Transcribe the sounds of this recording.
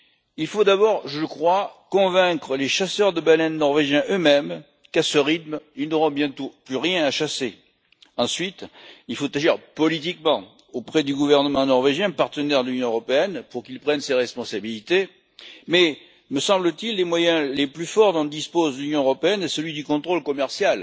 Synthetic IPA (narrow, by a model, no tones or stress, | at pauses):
ilfod̪abɔʁʒəəkχwakɔ̃vɛ̃kχəleʃasœʁd̪əbalɛnːɔʁveʒjɛ̃ʔømɛm | kasəʁit̪milnoʁɔ̃bjɛ̃t̪oplyʁjɛ̃aʃase | ɑ̃sɥit̪ilfot̪aʒiʁpɔlit̪̬ikmɑ̃ | opχɛd̪yɡuvɛʁnəmɑ̃nɔʁveʒjɛ̃paʁt̪ənɛʁd̪əlynjɔ̃øʁɔpeɛnpuʁkilpχɛnseʁɛspɔ̃sabilit̪e | mɛ | məsɑ̃blət̪ilːemwajɛ̃leplyfɔʁd̪ɔ̃d̪ispozlynjɔ̃øʁɔpeɛnesəlɥid̪ykɔ̃t̪χolkɔmɛʁsjal